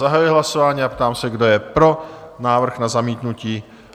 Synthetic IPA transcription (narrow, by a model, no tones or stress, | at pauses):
aɦajujɛɦlaso̞vaːɲiːapt̪aːmsɛɡdo̞jɛpɾo̞naːvr̩xnazamiːt̪nuciː